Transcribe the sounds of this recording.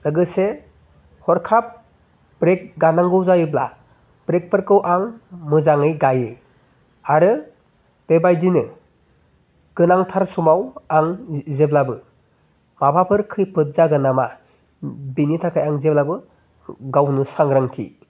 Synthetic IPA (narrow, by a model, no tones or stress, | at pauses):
lɯɡɯse | hɔɾkʰap̚ | bɾek̚ɡanaŋɡɯwzajɯbla̰ | b̥ɾek̚pɯɾkɯwʔaŋmɯzaŋɯjɡajɯ | aɾɯ | b̥ebajdinɯ | ɡ̥ɯnaŋtʰaɾsumawaŋzeblabɯ | mabʱapʰɯɾkʰɯjpʰɯt̚zaɡɯnama | binitʰakʰajaŋzeblabɯ | ɡawnɯsaŋɾaŋtʰḭ